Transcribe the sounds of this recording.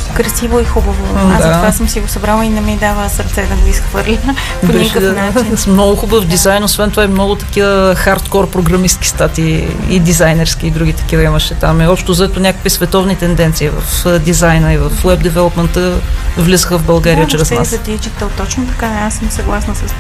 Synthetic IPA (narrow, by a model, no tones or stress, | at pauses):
kɾɐsivoixubəvoad̪at̪vasəmsiɡosɐbɾalˠəinɛmɛd̪avəsɐɾt̪sɛt̪ɐɡoisxvɤɾlʲinə | obnikəd̪smnɔɡʊxubəvd̪izajnosvɛnt̪ovaɛmnɔɡʊt̪ɐ̥kivəxaɾt̪kɔɾpɾoɡɾɐmist̪̚ki̥st̪at̪ḭːd̪izajnɛɾskʲiːd̪ɾuɡ̟ʲit̪ɐ̥k̟ivɐiməʃɛt̪amiɔpʃt̪ozɐɛt̪onʲakə̥kvisvɛt̪ɔvnit̪ɛnd̪ɛnt̪siːvɐ̰fəd̪izajnəivɐfwɛb̚d̪ɛvɛlˠopmɛnt̪əvlʲizəxəvbɐlˠɡaɾiət͡ʃɾɛsnaszɐt̪it͡ʃit̪əlˠt̪ɔt͡ʃnot̪ɐ̥kaɛasːəmsɐɡlˠasnəsɐs